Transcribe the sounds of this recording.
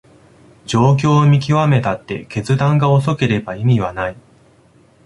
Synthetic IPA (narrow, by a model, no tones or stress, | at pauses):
d͡ʑo̞ːk̬ʲo̞ːmʲik̬ʲiβame̞t̪at̪ːe̞̰ke̞t͡sɨd̪ãŋɡao̞s̬o̞ke̞ɾe̞baimʲiβanai